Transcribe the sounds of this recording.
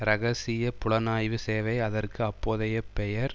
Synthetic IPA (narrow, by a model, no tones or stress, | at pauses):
ɾɐɣɐsɪjɐpʊɭɐnaːjʋɯseːʋɐɪɐðɐrkɯɐpːoːðɐjɐpːɛjɐɾ